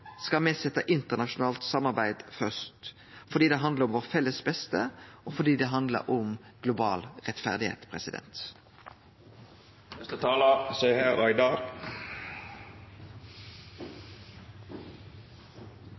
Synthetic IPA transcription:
skɑmeːsɛt̪əʔɪnt̪əʁnɑʃʊn̩ɑːlt̪sɑmɑʁbæɪd̪fœst̪ | fɔd̪iːd̪ɛɦɑnd̪ləʁʊmʋoːʁfɛlːəsbɛst̪əʔoːfɔd̪iːd̪ɛːɦɑnd̪lə̰ɾʔʊmɡ̥lʊbɑ̰ːlʁɛt̪fæ̰ʁd̪ɪhḛːt̪pʰʁɛ̰sɪd̪ɛ̰nt̪ | ɛst̪ət̪ʰɑːlɑsœʏhæɾɑɪd̪ɑɾ

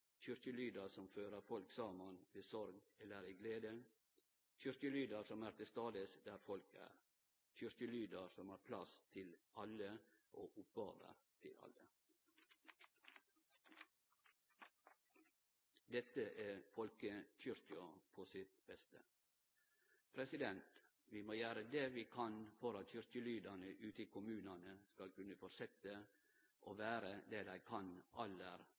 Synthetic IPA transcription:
çʏɾçəlyːd̪əɾsɔmføːɾəɾfɔlksɑːmɑnʋeːsɔɾɡɛlːəɾiːɡleːd̪ə | çʏɾçəlyːd̪əɾsɔmæːɾt̪ɪst̪ɑːd̪əsd̪æːɾfɔlkæ̰ːɾ | c͡çʏɾçəlyːd̪əɾsɔmɑːɾpʰlɑst̪ʰɪlɑləʔoːʔʊpbɑːʋə̰ɾt̪ʰɪlɑ̰lə | d̪ɛt̪əʔæːfɔlkəc͡çʏɾçɑpʰoːsɪt̪̚bɛst̪ə̰ | pʰɾɛsɪd̪ɛnt̪ | ʋiːmoːjæːɾəd̪eʋiːkʰɑnfɔɾɑt̪çʏɾçəlyːd̪ɑnəʔʉːt̪ɪkʰʊmʉːnɑnəskɑlkʉnəfɔɾsɛt̪ə | ʔoːʋæːɾəd̪eːd̪æɪkʰɑnʔɑləɾ

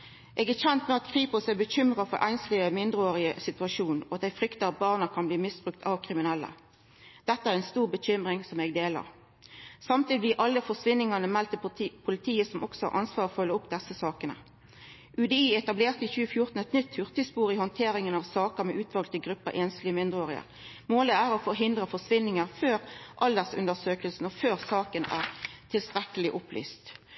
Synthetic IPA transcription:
ʔeːɡæːçɛnt̪mɛɑt̪kʰʁiːpʊsæbəçʏmʁɑfɔɾʔæ̰ɪnslyːəmɪnd̪ʁəoːʁɪəsɪt̪ʉɑʃuːnɔɑt̪̚d̪æɪfɾʏkt̪ɑɑt̪̚bɑːʁnəkʰɑnbliːmɪsbʁʉk̚t̪ʰɑʋkʰʁɪmɪnɛlːə̰ | d̪̥ɛt̪ːəæːʁɛnst̪uːʁbəɕʏmʁɪŋsɔmeːɡ̚d̪eːlɑ̰ʁ | sɑmt̪ʰiːd̪ɪb̪lɪːʔɑlːəfɔsʋɪnɪŋɑnəmɛlt̪əpʰʊlɪt̪ʰiːəsɔmʔɔksɔhɑ̰ʁʔɑ̰nsʋɑːʁfœlːəʊpd̪ɛsəsɑːkənə̰ | ʔʉd̪ɛiːɛt̪ɑbleːʁt̪əɪçʉːəfjʊʁt̪n̩ɛt̪nʏt̪hʉʁt̪əspuːʁɪhɔnt̪ʰeːɾɪŋənɑʋsɑːkəɾmɛʔʉːt̪ʰʋɑlt̪əɡʁʉpːə̰ʔeːnst̪lɪəmɪnd̪ʁəoːʁɪə̰ʁ | moːləæːʁɔfɔɾɦɪnd̪ʁəfɔsʋɪnːɪŋəʁføːʁʔɑld̪əsʉ̰nd̪əsøːkəlsn̩ɔføːʁsɑːkənæ̰ːʁt̪ʰɪlst̪ʁɛkəlɪʔʊply̰ːst̪

